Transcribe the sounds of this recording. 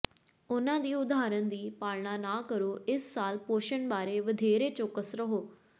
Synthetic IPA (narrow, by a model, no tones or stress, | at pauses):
ʊnãːd̪iːʊd̪aːɾənd̪iːpaːlɳaːnaːkəɾoːɪsːaːlpoːʃəɳbaːɾeːʋəd̪ʱeːɾeːt͡ʃokːəsɾəɦoː